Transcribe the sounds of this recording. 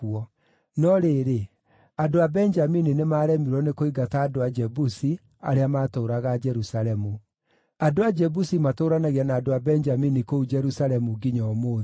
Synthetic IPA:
uɔ | nɔɾeːɾe | adoabɛnd͡ʒamininemaːɾɛmiɾwɔnekoiɡataːdoad͡ʒɛbusi | a̰ɾeamatoːɾaɣad͡ʒɛɾusaɾɛmu | adoad͡ʒɛbusimatoːɾanaɣianaːdoabɛɲd͡ʒaminikoud͡ʒɛɾusaɾɛmuɡiɲɔmoː

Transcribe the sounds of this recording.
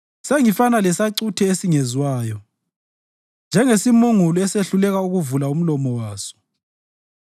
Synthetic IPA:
seŋifanalɛsaǀutʰɛesiŋezwaːjɔ | nd͡ʒʱɛŋesimuŋulɔɛseɬulɛɣauɣuvulaum̩lɔmɔwaːsɔ̥

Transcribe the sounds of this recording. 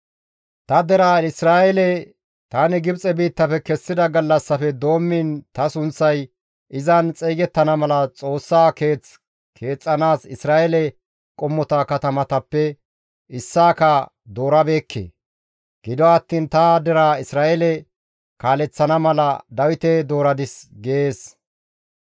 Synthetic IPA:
t̪ɐd̪ɛɾaːɪsɾaːʔɛlɛ | t̪aːnɪɡɪbt͡sʼɛbiːt̪ːɐfɛkɛsːɪd̪ɐɡɐlːɐsːɐfɛd̪o̞ːmːɪnt̪ɐsʊnt͡sːɐj | ʔɪzɐnt͡sʼeːɡɛt̪ːɐnɐmɐlɐt͡sʼo̞ːsːaːke̞ːt͡s | kʰe̞ːt͡sʼːɐnaːsɪsɾaːʔɛlɛ | kʼɔmːɔt̪akɐt̪ɐmɐt̪ɐpːɛ | ɪsːaːkɐ | d̪o̞ːɾɐbeːkʰːḛː | ɡ̥ɪd̪ɔɐt̪ːiːnt̪ɐd̪ɛɾaːɪsɾaːʔɛlɛ | kaːlɛt͡sːɐnɐmɐlɐd̪ɐwɪt̪ed̪o̞ːɾɐd̪ɪsɡeːs

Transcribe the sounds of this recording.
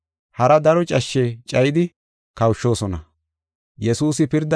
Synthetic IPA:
hɐɾɐd̪ɐɾɔt͡ʃʼɐʃːɛt͡ʃʼɐjɪd̪ɪ | kɐwʃːo̞ːsɔnɐ | jɛsuːsɪpɪɾd̪ɐ

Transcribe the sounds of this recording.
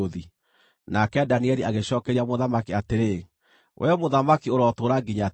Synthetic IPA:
oði | nakɛdaniɛɾiaɣeɕɔːkɛɾiamoðamakiateɾe | wʔɛɔmoðamakioɾɔtoɾaɡiɲa

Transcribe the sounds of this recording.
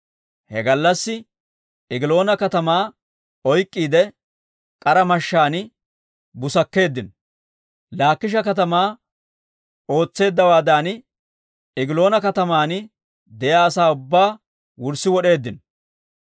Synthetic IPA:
hɛɡɐlːɐsːɪ | ɪɡɪlo̞ːnɐkɐt̪ɐmaː | ɔjkʼːiːd̪ɛ | kʼɐɾɐmɐʃːaːn | bʊsɐkːe̞ːd̪ːɪn | laːkːɪʃ̬ɐkɐt̪ɐmaː | o̞ːt͡sːe̞ːd̪ːɐwaːd̪aːn | ɪɡɪlo̞ːnɐkɐt̪ɐmaːnɪ | d̪ɛjaːɐsaːʊbːaː | wʊɾsɪwɔɗe̞ːd̪ːɪn

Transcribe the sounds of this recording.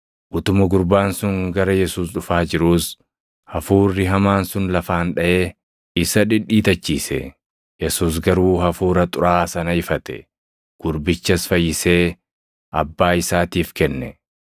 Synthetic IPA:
ʔʊt̪ʊmɐɡʊɾbaːnsʊŋɡɐɾɐjɛsuːsɗʊfaːd͡ʒɪɾuːs | hɐfuːrːɪɦɐmaːnsʊnlɐfaːnᶑɐʔe̞ː | ɪsɐᶑɪᶑːiːt̪ɐt͡ʃːiːsɛ̰ | jɛsuːs̬ɡɐɾuːhɐfuːɾɐt̪ʼʊɾaːsɐnɐɪfɐt̪ɛ̰ | ɡ̥ʊɾbɪt͡ʃːɐsfɐjːɪse̞ː | ʔɐbːaːɪsaːt̪iːfkɛnːɛ

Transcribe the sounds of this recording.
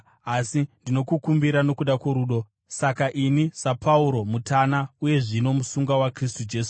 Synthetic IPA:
asindino̞kukumbiɾano̞kuɗakwoɾuɗo̞ | sakaʔinisapʰauɾo̞mutanauje̞ʐino̞musuŋɡawakris̬tud͡ʒe̞ːsu

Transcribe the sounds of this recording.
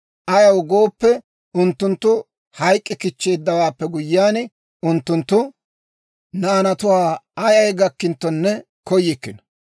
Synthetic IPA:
ʔɐjɐwɡo̞ːpːɛ | ʊnt̪ːʊnt̪ːʊ | hɐjkʼːɪkɪt͡ʃːe̞ːd̪ːɐwaːpːɛɡʊjːaːn | ʊnt̪ːʊnt̪ːʊ | nɐɐnɐt̪ʊwaːɐjɐjɡɐkːɪnt̪ːɔnːɛ | kɔjːɪkːɪnɐ̥

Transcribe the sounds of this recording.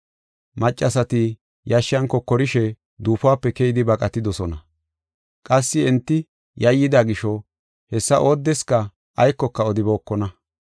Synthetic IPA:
mɐt͡ʃʼːɐsɐt̪ɪ | jɐʃːɪɐŋkːɔkːɔɾɪʃɛ | d̪uːfʊaːpːɛkɛjɪd̪ɪbɐkʼɐt̪ːɪd̪ɔsɔnɐ | kʼɐsːɪɛnt̪ːɪ | jɐjːɪd̪aɡɪʃɔ | hɛsːɐʔo̞ːd̪ːɛskɐ | ʔɐjkːɔkːɐɔd̪ɪbo̞ːkːɔnɐ

